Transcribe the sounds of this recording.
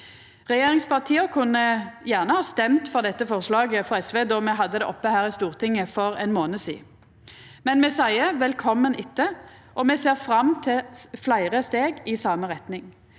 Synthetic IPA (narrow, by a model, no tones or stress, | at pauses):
ʁɛjeːʁɪŋspʰɑʁt̪ʰiːəkʰʉnːəjæːʁnəhɑːst̪ɛmt̪fɔʁd̪ɛt̪ːəfɔʁslɑːɡəfɔɛsʋeːd̪ɔmɛɦɑd̪ːəd̪ɛʔɔpːəhæːʁɪst̪uːʁt̪ʰɪŋːəfɔʁɛnmoːnəsḭː | mɛnmɛsæɪəʋɛlkʰɔmːənɪt̪ːə | ʔɔmɛseːʁfɾɑmt̪ʰɪlflæɪʁəst̪eːɡɪsɑːməʁɛt̪nɪŋ